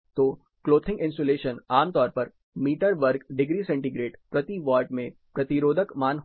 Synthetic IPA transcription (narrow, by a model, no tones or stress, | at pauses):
t̪oː | kloːt̪ʰɪ̃ŋɡɪ̃nsoːleːʃənaːmt̪ɔːɾpɐɾ | miːʈəɾʋəɾkɖɪɡɾiːsɛ̃ɳʈiɡɾeːʈpɾɐt̪iʋɔːɾʈmẽpɾɐt̪iɾoːd̪ʱəkmaːnɦ